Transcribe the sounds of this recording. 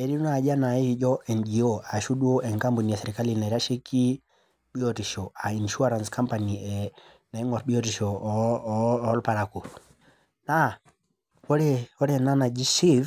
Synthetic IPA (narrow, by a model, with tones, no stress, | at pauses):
ɛ˨ɾi˦n˦a˨d͡ʒa˦na˨iid͡ʒɔʔɛ˨nd͡ʒiɔa˨ʃu˦ɗu˦ɔʔɛ˨ŋkambu˨ni˨ja˨sɛɾika˦lina˨iɾa˦ʃi˦ki˦ | ɓi˦ɔtiʃɔa˨i˨nʃu˦aɾa˨nskampaniɛ | na˨ɛŋɔ˨ɾɓi˦ɔtiʃɔ˦ | lpaɾaku˨ | na | ɔ˦ɾɛɔɾɛna˦na˨d͡ʒi˦si˦v